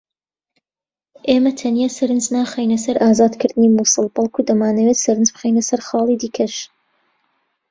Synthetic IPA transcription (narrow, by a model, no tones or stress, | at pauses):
ʔeːmɐt̪ʰɐnijasɐɾɨnznaːχejnɐsɐɾʔaːzaːd̪kʰɨɾd̪ɨnimuːsɨlˠbɑlˠkʰud̪ɐmaːnɐweːt̪sɐɾɨnzb̥ɨχejnɐsɐɾχɑːlˠid̪iːkʰɐʃ